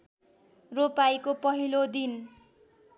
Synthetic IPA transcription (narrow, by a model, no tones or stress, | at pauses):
ropajkopʌɦilod̪in